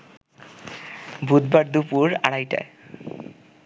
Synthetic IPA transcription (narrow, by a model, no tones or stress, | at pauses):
bʱud̪baɾd̪upuɾaɽajʈa̰